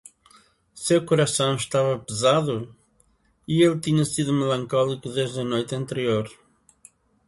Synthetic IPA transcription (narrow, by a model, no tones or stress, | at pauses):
sewkuɾɐsɐ̃w̃ʃt̪avɐpɨzaðu | ielˠt̪iɲɐsiðumɨlˠɐ̃ŋkɔlˠikuðeʒðɐnojt̪ɐ̃nt̪ɨɾioɾ